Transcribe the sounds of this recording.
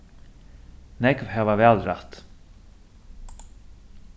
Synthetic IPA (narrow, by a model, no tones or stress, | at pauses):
nɛkvɦɛvavɛːlɾaht̪